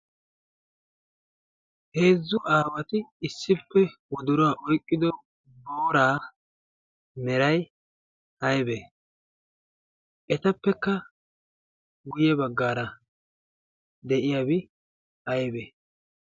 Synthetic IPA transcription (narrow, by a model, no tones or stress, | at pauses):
he̞ːzːʊʔaːwɐt̪ɪːsːɪpːɛwɔd̪ʊɾʊwaʔɔjkʼːɪd̪ɔ | boːɾaː | mɛɾɐj | ɐjbe | ʔɛt̪ɐpːɛkːɐ | ɡʊjɛbɐɡːaːɾɐ | d̪ɛʔɪjabɪ | ʔɐjbeː